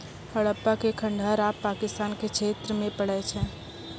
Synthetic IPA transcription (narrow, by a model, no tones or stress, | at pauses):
həɭəpːakekʰə̃ɳɖʱaːɾaːpːaːkɪst̪aːnkekʃʰeːt̪ɾəmẽpəɽ̤ɛt͡ʃʰɛ̃ː